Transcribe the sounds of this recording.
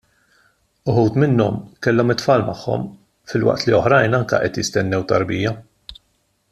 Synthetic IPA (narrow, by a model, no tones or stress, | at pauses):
ʊħuːt̪mɪnːɔmkɛlːɔmɪt̪fɐːlmɐħːɔ̰m | fɪlwɐ̰ʔt̪liɔħɾɐjnɐŋkɐ̰ʔɛt̪jɪst̪ɛnːɛwt̪ɐɾbiːjɐ